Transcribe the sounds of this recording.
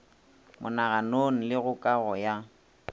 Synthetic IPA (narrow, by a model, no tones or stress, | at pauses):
mʊ̰naɣanoŋ̩lɪɣʊkʼaɣɔja